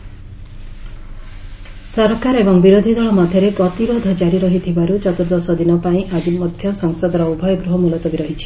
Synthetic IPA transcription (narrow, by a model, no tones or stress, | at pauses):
sɔɾkaɾebɔŋbiɾod̪ʱid̪ɔɭɔmad̪ʱjɔɾeɡɔt̪iɾod̪ʱɔd͡ʒaɾiɾɔɦit̪ʰibaɾut͡ʃɔt̪uɾd̪ɔsɔd̪inɔpaĩʔad͡ʒimɔd̪ʱjɔsɔŋsɔd̪ɔɾɔubʱɔjɔɡɾuɦɔmulɔt̪ɔbiɾɔɦit͡ʃʰi̥